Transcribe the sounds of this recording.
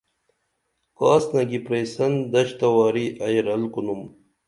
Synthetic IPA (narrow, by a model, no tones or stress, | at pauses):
kɑːsnɐɡipɾeːsɐnd̪ɐɕt̪ɐwɑːɾiʔɐjɾɐlkunum